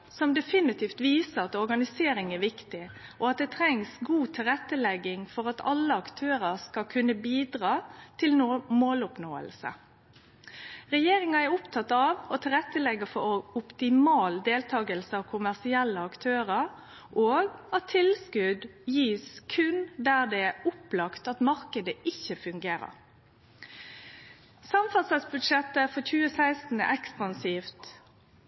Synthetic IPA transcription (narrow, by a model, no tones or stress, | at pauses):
sɔmd̪ɛfɪnɪt̪ʰiːft̪ʋiːsəɾɑt̪ɔɾɡɑnɪseːɾɪŋɛɾʋɪkt̪ɪʔɔɑt̪̚d̪ɛt̪ʰɾɛŋsɡuːt̪ʰɪlʁɛt̪ːəlɛɡːɪŋfɔɾɑt̪ʰɑ̰lːəɑkt̪ʰøːɾəɾskɑkʰʉnːəbiːd̪ɾɑːt̪ʰɪlmoːlʊpnoːə̰lsə̰ | ɾɛjeːɾɪŋɑɛɾʊpt̪ʰɑt̪ːɑʋɔt̪ʰɪlʁɛt̪ːəlɛɡəfɔɾɔʊpt̪ɪmɑːld̪eːlt̪ʰɑːɡəlsəɑʋkʰʊmæʁsɪɛlːəɑkt̪ʰøːɾəɾ | ʔoːɡɑt̪ʰɪlskʉd̪jiːskʰʉnd̪æʁd̪ɛæʊplɑkt̪ɑt̪mɑʁkəd̪əɪçːəfʉŋɡeːɾə̰ɾ | sɑmfɑsɑsbʉd̪ʃɛt̪ːəfɔçʉːəsæɪst̪n̩ɛ̰ʔɛkspɑnsiːft̪